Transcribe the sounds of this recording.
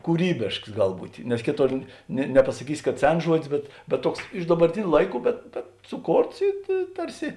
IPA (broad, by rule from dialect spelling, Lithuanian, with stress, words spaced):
kuːˈrʲiːbʲeːʃks ˈɡɐlˠ ˈbuːtʲeː nʲɛs ˈkʲeːˌtoːr nʲɛ nʲɛpɐsɐˈkʲiːsʲɪ kɐt ˈsʲɛns ˈʒuɔdʲɪs bʲɛt bʲɛt ˈtuɔks ɪʃ dɐbɐrʲˈtʲɪnʲʊ ˈlˠɐɪˌkuː bʲɛt bʲɛt sʊˈkoːrts ɪ ɪ ˈtɐrʲˌsʲɪ